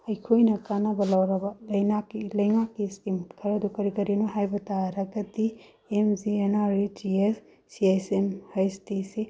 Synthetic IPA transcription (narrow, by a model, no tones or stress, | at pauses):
ɐjkʰojnɐkanɐbɐlɐwɾɐbɐlɐjnakːilɐjŋakːiskimkʰɐɾɐdukɐɾikɐɾinuɦajbɐtaɾɐɡɐti | emzienaɾid͡ʒies | siesemhɐjstise